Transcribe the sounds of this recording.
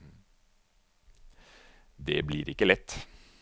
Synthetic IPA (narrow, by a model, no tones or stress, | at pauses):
d̪ɛbliːɾɪkːəlɛt̪ː